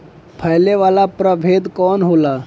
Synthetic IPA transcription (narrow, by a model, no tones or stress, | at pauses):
pʰɛɦleʋaːlapɾəʋʱeːd̪kɔːnɦoːlaː